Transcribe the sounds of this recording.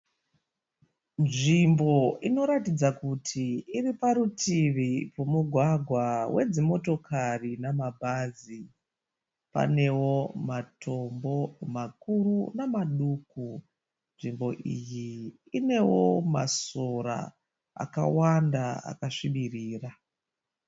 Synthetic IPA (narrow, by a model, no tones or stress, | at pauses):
nʐimbo̞ino̞ɾatid͡zakutʰiːripaɾutiʋipomuɡʱwaɡʱwawʔe̞d͡zimo̞to̞kʰarinamabʱazi | pa̰ne̞wo̞matʰo̞mbo̞makuɾunamaɗuku | nʐimbo̞ʔijiː | ne̞wo̞maso̞ɾa̰ | a̰ka̰wandaa̰kaʂiɓiriːra